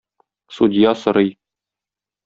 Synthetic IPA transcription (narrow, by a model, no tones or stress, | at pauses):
sud̪ʲijɑsɤ̆ɾɤj